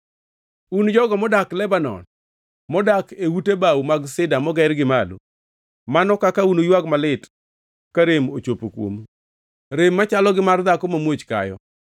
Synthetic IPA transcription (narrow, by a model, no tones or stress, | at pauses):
und͡ʒɔɡɔmɔdaklɛbanɔ̰n | mɔdakewutebawmaɡsɪdamɔɡɛɾɡɪmalṵ | manɔkakaunojwaɡmalɪt | kaɾemot͡ʃopokwo̰m | ɾemːat͡ʃalɔɡɪmard̪akomamwot͡ʃka̰jɔ̰